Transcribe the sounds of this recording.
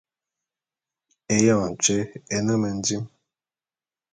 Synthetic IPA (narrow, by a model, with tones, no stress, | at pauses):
e˨jã˦˨n̩˨t͡ʃe˦e˨nə˦mə˨n̩˨˦di˦m